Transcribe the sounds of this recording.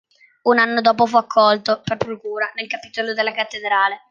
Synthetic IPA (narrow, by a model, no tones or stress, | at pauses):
unanːod̪oːp̬ofuakʰːɔlt̪operpɾokuːɾanelkapiːt̪olod̪elːakat̪ːed̪ɾaːle